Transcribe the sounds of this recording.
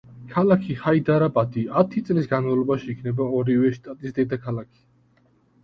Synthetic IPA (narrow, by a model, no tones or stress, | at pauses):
kʰalakʰiχaid̪aɾabʼad̪iat̪ʰit̪sʼlisɡanmavlˠɔbaʃiːkʰnɛbaɔɾivɛʃt̪ʼat̪ʼisd̪ɛd̪akʰalakʰi̥